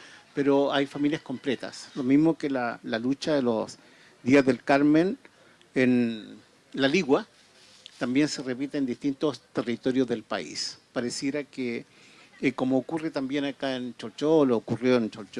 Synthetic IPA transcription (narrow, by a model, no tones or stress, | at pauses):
peɾoajfamiljasko̞mplet̪a̰slomizmokelalalut͡ʃaðelos | d̪iazðe̞lkaɾmen | en | laliɣwa | t̪ambje̞nse̞repit̪eːnd̪ist̪int̪ost̪e̞rit̪o̞ɾjozðe̞lpa̰ḭspaɾesjeɾake | ko̞moːkuret̪ambje̞nakaent͡ʃolt͡ʃoloːkurjoent͡ʃolt͡ʃo